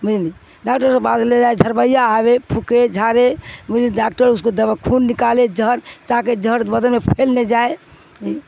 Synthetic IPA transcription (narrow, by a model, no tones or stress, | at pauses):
mid͡ʒli | ɖakʈəɾsə̃bad̪led͡ʒajd͡ʒʱəɾbəjaːβepʰuked͡ʒʱaɾemud͡ʒliɖak̚ʈəɾuskod̪əbakʰunːikaled͡ʒʱəɾt̪aked͡ʒəɾbəd̪əlmepʰelned͡ʒae | i